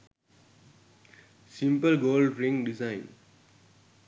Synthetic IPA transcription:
sĩmpəlɡoːlɖɾĩŋɖizãɪ̃n

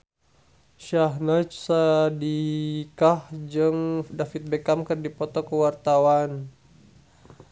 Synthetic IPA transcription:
ʃaɦnat͡ʃsadikahd͡ʒɨŋdafit̪̚bɛkamkərdipɔt̪ɔkəwart̪awan

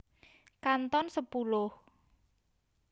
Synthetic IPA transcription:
kant̪ɔnsəpulʊh

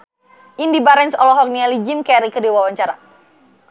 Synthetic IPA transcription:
ʔindibaɾɛnsɔlɔɦɔk̚nialid͡ʒimkɛɾikədiwawaɲt͡ʃaɾa

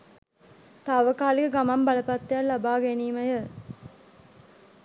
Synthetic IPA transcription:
t̪aːʋəkaːlikəɡamɐmbɐlɐpɐt̪ːejallabaːɡeniːmɐjə

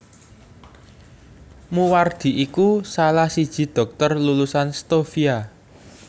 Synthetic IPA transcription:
muward̪̥i̤ʔikusalahsid̥ʒ̥i̤d̪̥ɔ̤k̚t̪ərlulusanst̪ofia

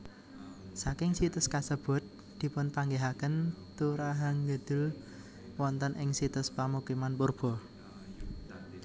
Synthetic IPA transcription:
sakɪŋsit̪ʊskasəb̥ʊ̤t̪̚ | d̪̥i̤pʊnpaŋɡeɦakənt̪uɾaɦaŋɡəd̪̥ʊ̤l | wɔnt̪ənʔɪŋsit̪ʊspamukimanpʊrb̥ɔ̤

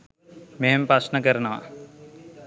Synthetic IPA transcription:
meɦempɾɐsnəkəɾənəʋa̰

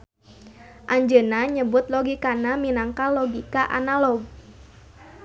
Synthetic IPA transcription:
ʔaɲd͡ʒənaɲəbʊt̪̚lɔɡikanaminaŋkalɔɡikaʔa̰nalɔɡ̚

